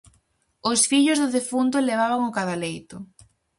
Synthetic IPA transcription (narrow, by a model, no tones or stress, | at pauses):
ʊsfiʎozðʊðefunt̪oleβ̞aβaŋʊkaðalejt̪ʊ